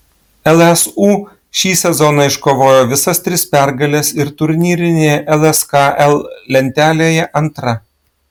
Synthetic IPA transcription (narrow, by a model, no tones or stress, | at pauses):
ɛlˠɛsuː | ʃʲiːsʲɛzɔnɐɪʃkoːʋoːjoːʋʲɪsɐst̪ʲɾʲɪspʲæˑɾɡɐlʲɛsɪɾt̪ʊɾʲnʲiːɾʲɪnʲeːjɛʔɛlˠɛskɑːʔɛlˠlʲɛnʲt̪ʲæːlʲeːjɛʔɐnt̪ɾɐ